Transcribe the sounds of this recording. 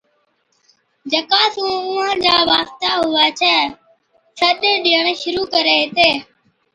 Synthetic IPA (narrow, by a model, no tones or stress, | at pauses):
d͡ʒəkaːsũːʊ̃ːãːd͡ʒaːʋaːst̪aːɦʊʋaːt͡ʃʰɛː | səɗeːɗiːəɳʃʊɾuːkəɾeːt̪eː